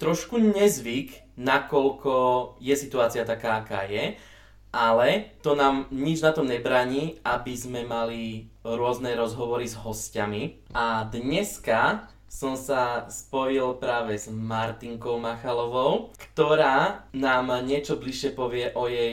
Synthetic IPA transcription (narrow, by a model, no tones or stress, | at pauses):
t̪ɾɔʃkuɲɛzʋiknakɔlkɔjɛsit̪uaːt͡siat̪akaːaka̰ːjɛ | ʔalɛt̪ɔnaːmɲid͡ʒnat̪ɔmɲɛbɾaːɲiːabizmɛmaliɾʊɔznɛɾɔzɦɔʋɔɾizɦɔscamiʔad̪ɲɛska | sɔmsaspɔjilpɾaːʋɛzmaɾt̪iŋkɔʊmaxalɔʋɔʊkt̪ɔɾaːnaːmɲɪɛt͡ʃɔbliʃːɪɛpɔʋɪɛʔɔjɛj